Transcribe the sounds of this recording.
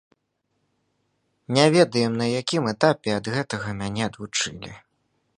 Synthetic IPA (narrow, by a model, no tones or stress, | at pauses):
nʲɛvʲɛd̪ɐjɛmnɐjakʲimɛt̪apʲɛɐd̪ɣɛt̪ɐɣɐmʲanʲɛɐd̪vut͡ʂɨlʲḭ